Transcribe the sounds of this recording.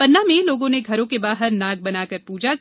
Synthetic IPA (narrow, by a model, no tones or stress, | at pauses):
pɐnːamẽloːɡõneɡʱɐɾõkebaːɦəɾnaːɡ̚bɐnaːkɐɾpuːd͡ʒa